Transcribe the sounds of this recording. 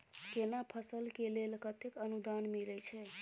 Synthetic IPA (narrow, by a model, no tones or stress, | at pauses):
kenapʰəsəlkelelkət̪ekənud̪anmilɛt͡ʃʰɛ